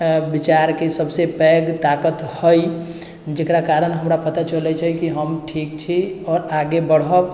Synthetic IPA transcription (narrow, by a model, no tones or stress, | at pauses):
bɪt͡ʃaːɾkesəbsepɛːɡt̪aːkət̪həi | d͡ʒɪkɾakaːɾənɦəmɾapət̪at͡ʃəlɛt͡ʃʰɛkiɦəmʈʰiːk̚t͡ʃʰiɔːɾaːɡebəɽ̤ə